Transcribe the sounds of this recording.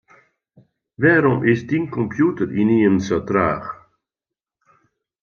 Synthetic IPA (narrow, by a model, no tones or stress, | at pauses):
ʋɛːɾɔmʔɪsdinkɔmpjutəɾiniənsatraːx